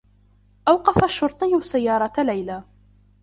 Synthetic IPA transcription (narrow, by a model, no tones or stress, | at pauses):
ʔawqɑfaʃːʊɾˤt̪ˤɨjsajːɑːɾˤɑlajlaː